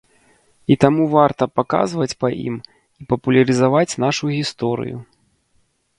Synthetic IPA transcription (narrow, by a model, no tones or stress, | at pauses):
it̪amuvart̪ɐpaka̰zvɐt͡sʲpɐʔḭm | ipɐpulʲɐɾɨzavat͡sʲnaʂuɣʲist̪ɔɾɨ̰jṵ